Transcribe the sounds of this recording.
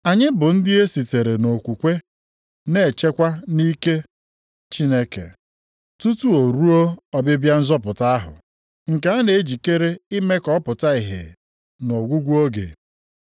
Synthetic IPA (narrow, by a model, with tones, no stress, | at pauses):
a˨ɲɪ˦bʊ˨n̩˦dɪ˦e˦si˨te˨ɾe˨no˨kʷu˨kʷe˦ | ne˦˨t͡ʃe˦kʷa˦ni˦ke˦ | t͡ʃi˦ne˦kḛ˨ | tu˦tu˦o˨ɾu˦o˦ɔ˦bɪ˦bja˦n̩˦zɔ˦pʊ˨ta˦a˦ɦʊ̰˨ | ŋ̩˨ke˦a˦ne˨e˦d͡ʒi˨ke˦ɾe˦i˦me˦kɔ˦pʊ˨ta˦i˨ɦḛ˨ | no˨ɡʷu˦ɡʷu˦o˦ɡḛ˨